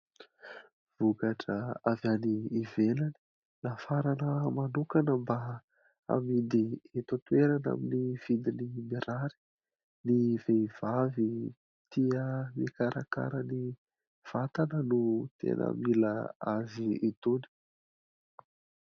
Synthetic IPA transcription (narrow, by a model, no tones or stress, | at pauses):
v̥ukaʈ͡ʂəavaniːvelani̥ | lafaɾanəmanukanəmba | a̰mid̪iet̪ot̪ueɾana̰miniv̥id̪inimeɾaɾi̥ | nivev̥avi | t̪iəmikaɾaka̰ɾəni | v̥at̪anənut̪ḛnʔə̰milaaziit̪uni̥